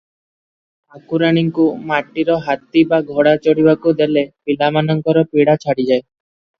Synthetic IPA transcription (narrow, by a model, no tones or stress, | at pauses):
akuɾaɽ̃iŋkumaʈːiɾɔɦat̪ibaɡʱɔɽat͡ʃɔɽibakud̪elepilamanɔŋkɔɾɔpiɽat͡ʃʰaɽid͡ʒae